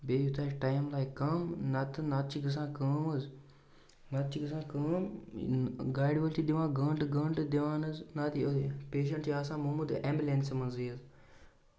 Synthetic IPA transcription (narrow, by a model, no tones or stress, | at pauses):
beːjut̪ʰaːʈaːjmlaːjkːɐmnɐt̪ɨnat̪̚t͡ʃʰiɡɨs̬ãːkəːmɨz | nɐt̪̚t͡ʃʰiɡɨs̬ãːkəm | ɡaːɖiʋɐlʈid̪iʋãːɡəːɳʈɨɡəːɳʈɨd̪iʋãːnɨznat̪opeːʃ̬ɐɳʈjaːsãːmɐmud̪eːmbʲilʲensimɐnzijɐz